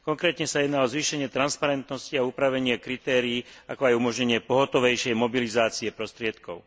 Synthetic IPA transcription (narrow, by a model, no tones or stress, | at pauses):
kɔŋkɾɛːt̪ɲɛsajɛd̪naːlɔzʋiːʃɛɲɪɛt̪ɾanspaɾɛnt̪nɔsciauːpɾaʋɛɲɪɛkɾit̪ɛːɾiːakɔajumɔʒɲɛɲɪɛpɔɦɔt̪ɔʋɛjʃɛjmɔbilizaːt͡siɛpɾɔst̪ɾɪɛt̪kɔʊ